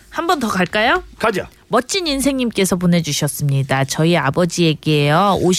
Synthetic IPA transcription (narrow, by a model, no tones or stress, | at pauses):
hambʌntʌkaɭk͈ajokad͡ʑa | mʌt͡ɕ͈iɲinsʰe̞ŋɲimk͈e̞sʰʌp̬one̞d͡ʑuɕʰʌs͈ɯmɲidat͡ɕʌiabʌd͡ʑie̞ɡejʌoɕ